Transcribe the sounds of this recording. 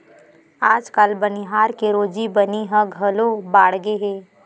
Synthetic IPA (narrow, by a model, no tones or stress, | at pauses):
aːd͡ʒkalbɐniɦaːɾkeɾoːd͡ʒibɐniɦə̃ɡʱɐlobaːɽɡeɦeː